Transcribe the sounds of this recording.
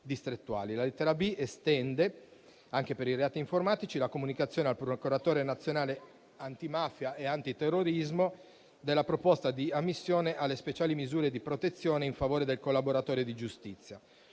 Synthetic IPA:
d̪ist̪ɾet̪ːua̰ːlilalet̪ːɛɾabiest̪ɛnd̪e | aŋk̟epeɾireaːt̪iːɱformaːt̪it͡ʃilakomunikat̪sjoːnealpɾokuɾat̪oːɾenat̪sːjonaːle | ant̪imafjaʔeant̪it̪erːoɾizmo | d̪elːapɾopost̪ad̪iamːisːjoːneʔalːespet͡ʃaːlimizuːɾed̪ipɾot̪et̪sːjoːneiɱfavoːɾed̪elkolːaboɾat̪oːɾed̪id͡ʒust̪it̪sːja

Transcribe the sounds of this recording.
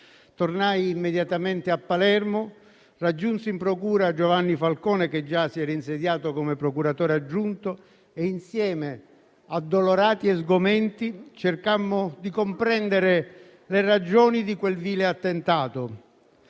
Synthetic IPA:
t̪ornajimːed̪jat̪ament̪ɪapːalɛrmʊ | rad͡ʒːunsimpɾokuːɾad͡ʒovanːifalkɔːnek̟ed͡ʒːasiɛːɾainsed̪jaːt̪okomepɾɔkuɾat̪oːɾead͡ʒːunt̪ʊ | einsjɛːme | ad̪ːoloɾaːt̪iɛzɡʊmɛnt̪it͡ʃerkamːʊd̪ikompɾɛnd̪eɾɪ | lerad͡ʒɔːnid̪ikwelviːleat̪ːent̪aːt̪ʊ

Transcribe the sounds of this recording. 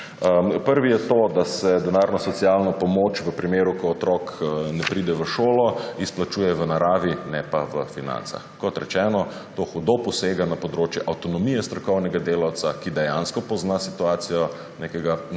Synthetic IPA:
əpəɾʋijɛt̪od̪asɛd̪ɛnaːɾnɔsɔt̪sijalnɔpɔmoːt͡ʃʋəpɾimeːɾukɔɔt̪ɾɔknɛpɾid̪ɛʋəʃoːlɔisplat͡ʃuːjɛʋənaɾaːʋinɛpaʋəfinã̰nsa̰xkɔt̪ɾɛt͡ʃɛːnɔ | t̪oxud̪opɔseːɡanapɔd̪ɾoːt͡ʃjɛʔawt̪ɔnɔmijɛst̪ɾɔkɔwnɛɡad̪eːlawt̪sakid̪ɛjanskɔpɔznasit̪uaːt̪sijɔ | nekɛɡa

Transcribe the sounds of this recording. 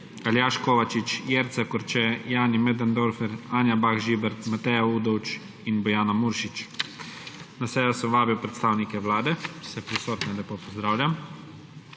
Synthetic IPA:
aljaːʃkoːʋat͡ʃit͡ʃjeɾt̪sɛkɔɾt͡ʃɛjaːnimɛd̪and̪oɾfɛɾaːnjabaxʒiːbɛɾt̪mat̪ɛjaud̪ɔwt͡ʃ | inbɔjaːnamuɾʃit͡ʃ | nasɛːjɔsɛmʋaːbiwpɾɛt̪st̪aːwnikɛʋlaːd̪ɛsɛpɾisoːt̪nɛlɛpoːpɔzd̪ɾaːwlʲam

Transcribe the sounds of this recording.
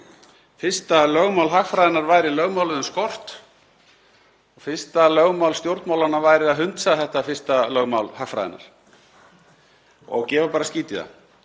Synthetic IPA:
fɪr̥st̪alœːɣmawlɦaxfɾajðɪnaɾvaːjɾɪlœɣmaːwlʏðʏmskɔr̥t̪ | ɔɣfɪ̥st̪alœːɣmawlst̪jowɾt̪mawlanavaːjɾɪaðɦʏnt̪saθɛht̪afɪr̥st̪alœːɣmawlhaxkfɾa̰jðɪ̰na̰ɾ̥ | ɔ̰ɣcɛːvapaːɾasciːt̪iða̰

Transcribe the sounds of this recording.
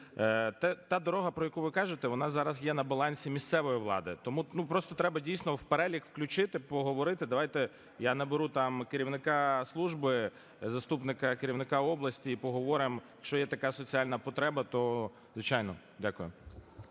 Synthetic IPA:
t̪ɛt̪ɑd̪ɔɾɔɦɐpɾɔjɐkuʋɪkɑʒɪt̪ɛʋɔnɑzɑɾɐzjɛnɐbɐlˠɑnʲsʲimʲist̪sɛʋɔjiʋlˠɑ̰d̪ɪt̪ɔmunupɾɔst̪ɔt̪ɾɛbɐdʲijsʲnɔwpeɾɛlʲikwklʲʊt͡ʃɪt̪ɪpɔɦɔʋɔɾɪt̪ɪd̪ɐʋɑjt̪ɛ | janɐbeɾut̪ɑmkeɾʲiwnɪkɑslˠuʒbɪ | zɐst̪upnɪkɐkeɾʲiwnɪkɑɔblˠɐsʲtʲiːpɔɦɔʋɔɾɪmjjɐkʃt͡ʃɔjɛt̪ɐkɑsɔt͡sʲialʲnɐpɔt̪ɾɛbɐt̪ɔ | zʋɪt͡ʃajnɔ | dʲakʊjʊ

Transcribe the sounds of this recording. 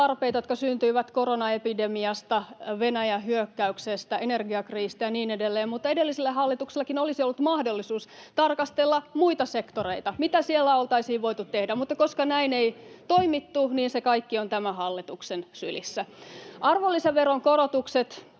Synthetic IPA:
ɑrpeit̪ɑjot̪kɑsynt̪yiʋæt̪koɾonɑepidemiɑst̪ɑʋenæjæɦyøkːæyksest̪æenerɡiɑkriːst̪æjɑniːnedelːeːmmut̪ːɑedelːisilːæɦɑlːit̪ukselːekinolisiolːut̪mɑhdolːisuːst̪ɑrkɑst̪elːɑmuit̪ɑsekt̪oreit̪ɑmit̪æsielːæolt̪ɑisiːʋʋo̞it̪ut̪t̪ehdæmut̪ːɑkoskɑnæineit̪oimit̪ːuniːnsekɑikːiont̪æmæhɑlːit̪uksensy̰lḭsːæʔɑrʋolːiseʋʋeɾoŋkoɾot̪ukset̪

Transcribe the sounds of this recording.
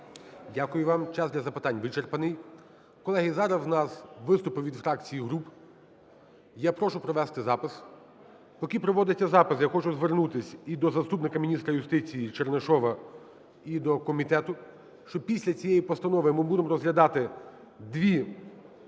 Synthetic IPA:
dʲakʊjʊʋɑmt͡ʃɑzd̪lʲɐzɐpɪt̪ɑnʲʋɪt͡ʃerpɐnɪj | kɔlˠɛɦɪzɑɾɐsnɑsʋɪst̪ʊpɪʋʲid̪fɾɑk̚t͡sʲijiɦɾup | japɾɔʃʊpɾɔʋɛst̪ɪzɑpɪs | pɔkʲipɾɔʋɔd̪ɪt͡sʲːɐzɑpɪsjaxɔt͡ʃʊzʋernut̪ɪsʲid̪ɔzɐst̪upnɪkɐmʲinʲist̪ɾɐjʊst̪ɪt͡sʲijit͡ʃerneʃɔʋɐ | id̪ɔkɔmʲit̪ɛt̪ʊ | ʃt͡ʃɔpʲisʲlʲɐt͡sʲijɛjipɔst̪ɐnɔʋɪmɪbud̪emrɔzɦlʲɐd̪ɑt̪ɪ | d̪ʋʲi

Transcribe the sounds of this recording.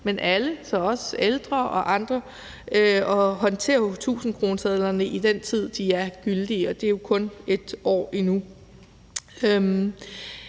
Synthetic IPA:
menʔæləsɒ̽ɒ̽seld̥ʁɐʔɒ̽ʔɑ̈nd̥ʁɐ | øɒ̽ɦɒ̽nt͡sʰe̝̰ːɐt͡sʰṵːsn̩kʰʁo̝ːnsʰɛð̞ˠlɐnəʔid̥ent͡sʰið̞̰ˠd̥iæɐɡ̥yld̥iɒ̽d̥e̝jo̝kʰɔ̽ne̝d̥ɒ̰ːinu | øm

